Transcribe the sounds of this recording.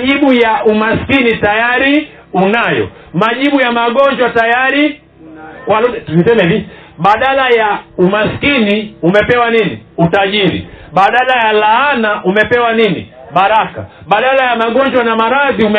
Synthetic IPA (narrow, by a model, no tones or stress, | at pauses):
ʄiɓujaumaskinitajaɾi | unajɔ̰ | maʄiɓujamaɡɔɲd͡ʒwatajaɾi | kwalutuisɛmɛviɓaɗalajaumaskiniumɛpɛwaninḭutaʄiɾḭɓaɗalajalaːnaʔumɛpɛwanini | baɾaka̰ | ɓaɗalajamaɡɔɲd͡ʒwanamaɾaðiumɛ